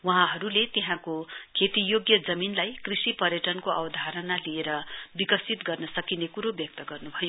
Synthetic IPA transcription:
waɦãɦʌɾulet̪eɦãkokʰet̪ijoɡjʌd͡zʌminlajkrisipʌrjʌʈʌnkoʔʌbʌd̪ʱaɾʌnalieɾʌbikʌsit̪ɡʌrnʌsʌkinekuɾobjʌk̚t̪ʌɡʌrnubʱʌjo

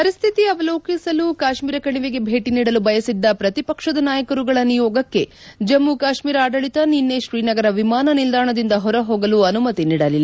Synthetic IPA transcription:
pɐɾist̪ʰit̪iɐʋɐloːkisɐlukaːʃmiːɾɐkɐɽiʋeɡe̞bʱe̞ːʈiniːɽɐlubɐjɐsid̪ːɐpɾɐt̪ipɐkʂɐd̪ɐnaːjɐkɐɾuɡɐɭɐnijoːɡɐkːe̞ | d͡ʒɐmːukaːʃmiːɾaːɖɐɭit̪ɐninːeʃɾiːnɐɡɐɾɐʋimaːnɐnild̪aːɳɐd̪ind̪ɐɦɔɾɐɦoːɡɐluɐnumɐt̪iniːɽɐlilːɐ

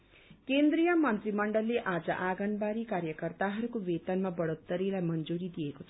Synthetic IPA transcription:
kend̪ɾijʌmʌnt̪rimʌɳɖʌlːeʔad͡zʌʔaɡʌnbaɾikaɾjʌkʌrt̪aɦʌɾukobet̪ʌnmabʌɽot̪ːʌɾilajmʌnd͡zuɾid̪ijekot͡sʰʌ

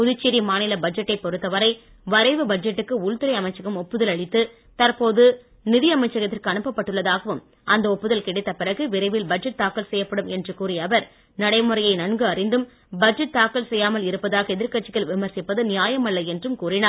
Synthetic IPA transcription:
pʊðɪt͡ʃːɪɾimaːnɪlɐbɐd͡ʒɐʈːɐɪpːɔɾɯt̪ːɐʋɐɾɐɪ | ʋɐɾɐɪʋɯbɐd͡ʒɛʈːɯkːɯʊɭt̪ɯɾɐɪɐmɐɪt͡ʃːɐɣɯmɔpːɯðɐlɐɭɪt̪ːɯ | t̪ɐɾpoːðɯ | nɪðɪjɐmɐɪt͡ʃːɐɣɐt̪ːɪrkɯɐnɯpːɐpːɐʈːɯɭːɐðaːɣɐʋɯm | ʔɐnd̪ɐɔpːɯðɐlkɪɽɪt̪ːɐpɪrɐɣɯʋɪɾɐɪʋɪlbɐd͡ʒɛʈ̚t̪aːkːɐlsɛjːɐpːɐɽɯmɛndrɯkuːrɪjɐʋɐɾ | nɐɽɐɪmɯrɐjɐɪnɐɳɡɯɐrɪnd̪ɯm | bɐd͡ʒɐʈ̚t̪aːkːɐlsɛjːaːmɐlɪɾɯpːɐðaːɣɐɛðɪɾkɐʈt͡ʃːɪɣɐɭʋɪmɐɾsɪpːɐðɯnɪjaːjɐmɐlːɐɪɛndrɯmkuːrɪnaːɾ

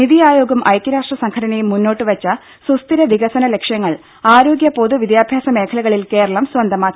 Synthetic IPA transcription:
niðijaːjo̞ːɡɐmʔɐ̰jkʲjɐɾaːʂʈrɐsɐŋkʰɐɽɐnejumːunːo̞ːʈːɨʋɐt͡ɕːɐ | sust̪iɾɐʋiɣɐsɐnɐle̞kʂjɐŋːɐɭ | aːɾo̞ːɡjɐpoðuʋid̪jaːbʱjaːsɐme̞ːkʰɐlɐɣɐɭilke̞ːɾɐɭɐmswɐnd̪ʱɐmaːi

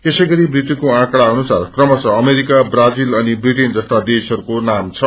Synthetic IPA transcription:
t̪esʌjɡʌɾibrit̪ːukoãkɽaʌnusarkrʌmʌt͡sʰʌːmeɾikabrad͡zilʌnibriʈend͡zʌst̪ad̪esʌɾukonamt͡sʰʌ

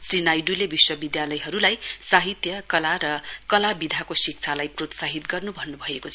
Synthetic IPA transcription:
srinajɖulebiswʌbid̪jalʌjɦʌɾulajsaɦit̪jʌkʌlaɾʌkʌlabid̪ʱakosik̚t͡sʰalajprot̪saɦit̪ɡʌrnubʱʌnːubʱʌekot͡sʰʌ

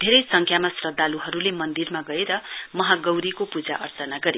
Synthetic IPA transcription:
d̪ʱeɾʌjsʌŋkʰjamasrʌd̪ːaluɦʌɾulemʌnd̪irmaɡʌeɾʌmʌɦaɡʌwɾikopud͡zaʔʌrtʌnaɡʌɾi

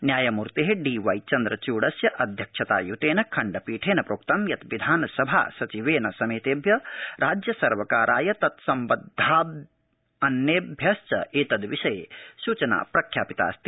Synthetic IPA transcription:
njaːjɐmuɾt̪eɦeɖiːʋɐjt͡ʃɐnd̪ɾɐt͡ʃuːɽɐsjɐʔɐd̪ʱjɐkʂʰɐt̪a̰ːjut̪eːnɐkʰɐɳɖɐpiːʈʰeːnɐpɾoːk̚t̪ɐmjɐt̪ʋid̪ʱaːnɐsɐbʱa̰ːsɐt͡ʃiʋeːnɐsɐmeːt̪eːbʱjɐɾʔaːd͡ʒjɐsɐɾʋɐkaːɾʔaːjɐt̪ɐt̪sɐmbɐd̪ʱːaː | ɐnːeːbʱjɐst͡ʃɐ̰eːt̪ɐd̪ʋiʃɐjesuːt͡ʃɐna̰ːpɾɐkʰja̰ːpit̪a̰ːst̪i

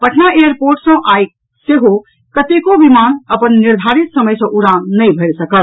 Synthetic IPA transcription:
pəʈʰnaejəɾpoːɾʈsə̃ʔaːj | seɦo | kət̪ekoʋimaːnɐpənːɪɾd̪ʱaːɾɪt̪sɐməjsɐ̃ʔʊɽaːnnɐĩbʱəɾsɐkəl

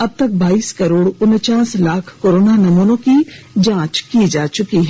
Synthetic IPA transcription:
ɐb̚t̪ɐk̚baːiːskɐɾoːɽʊnt͡ʃaːslaːkʰkoːɾoːnanɐmuːnõki | d͡ʒãːt͡ʃkid͡ʒaːt͡ʃʊkiɦɛ

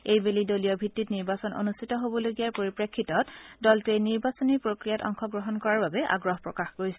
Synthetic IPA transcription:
ejbelidolijɔbʱitːitniɹbasɔno̰nustʰitɔɦobɔloɡijaɹpoɹipɹekʰːitɔtdɔltejniɹbasɔniɹpɹokɹijatɔ̰ŋxɔɡɹɔɦɔnkɔɹaɹbabɛʔa̰ɡɹɔɦpɹɔkaxɡoɹjsɛ

